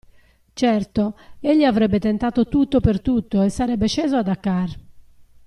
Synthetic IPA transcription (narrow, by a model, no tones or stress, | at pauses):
t͡ʃɛrt̪oeʎːiavɾɛbːɛt̪ɛnt̪aːt̪ot̪ut̪ːopert̪ut̪ːoɛsːaɾɛbːɛt͡ʃɛːzoad̪akːar